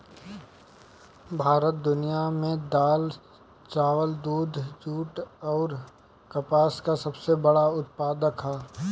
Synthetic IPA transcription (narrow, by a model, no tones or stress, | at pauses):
bʱaːɾət̪̚d̪ʊnijamẽd̪aːl | t͡ʃaːʋəld̪uːd̪ʱd͡ʒuːʈɔːɾ | kɐpaːskasɐbsebɐɽaʊt̪paːd̪əkʰɦaː